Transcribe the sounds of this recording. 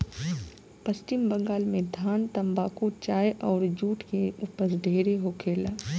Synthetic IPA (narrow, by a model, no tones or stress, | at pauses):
pɐsʈɪmbɐ̃ŋɡaːlmẽd̪ʱaːnt̪ɐmbaːkut͡ʃaːjʔɔːɾd͡ʒuːʈkeʊpəsɖʱeːɾeɦoːkʰeːlaː